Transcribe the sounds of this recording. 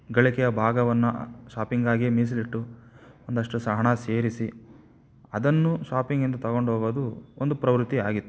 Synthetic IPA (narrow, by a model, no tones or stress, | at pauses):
ɡɐɭikɛjɐbʱaːɡɐʋɐnːuʃaːpiŋɡaːɡiemiːs̬ɐliʈːuond̪ɐʂʈusɐɦɐɳɐse̞ːɾisi | ɐd̪ɐnːuʃaːpiŋɡind̪ɐt̪ɐɡo̞ɳɖɦoːɡoːd̪uond̪upɾɐʋɾut̪ːiaːɡit̪ːu